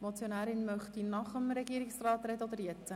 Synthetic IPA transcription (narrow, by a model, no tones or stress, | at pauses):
mot͡sjonæːɾɪnmœχt̪inɑχəmɾɛɡiːɾɪksrɑːt̪ɾɛd̪əod̪əɾjɛt͡sə